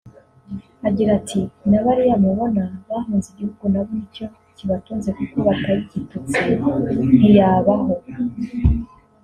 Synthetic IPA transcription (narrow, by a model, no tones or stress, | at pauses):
aɟiɾatʰinaβaɾijamuβo̞naβahuːnziɟihuɡunaβo̞nico̞ | ciβatuːnze̞kuko̞βataβiɟitut͡sin̥ijaːβaho̞